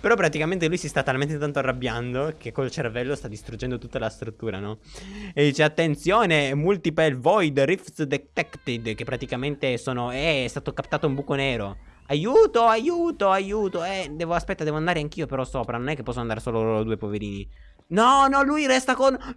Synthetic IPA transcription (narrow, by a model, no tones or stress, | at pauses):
peɾɔpːɾat̪ikament̪elujsist̪at̪ːalment̪et̪ant̪oarːabːjand̪okʰekːolt͡ʃervɛlːost̪ad̪ːist̪ɾudd͡ʒːɛnd̪ot̪ut̪ːalast̪ɾut̪ːuːɾa̰nɔd̪ːiːt͡ʃeat̪ːent̪sjoːnemult̪ipɛlvɔjd̪rifsd̪ɛt̪ɛkt̪id̪kepːɾat̪ikament̪esoːnoɛɛst̪aːt̪okapt̪aːt̪oumbuːkoneːɾo | ajuːt̪oajuːt̪oajuːt̪oɛd̪ɛːvoaspɛt̪ːad̪ɛvoand̪aːɾeaŋk̟iːopeɾɔsoːpɾanonɛkːepɔsːonand̪aɾesoːlod̪uːepoveɾiːni | nɔnɔlujɾɛst̪akon